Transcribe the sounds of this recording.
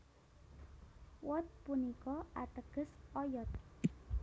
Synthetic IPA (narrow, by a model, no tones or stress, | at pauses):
wɔt̪̚punikɔat̪əkəsɔjɔt̪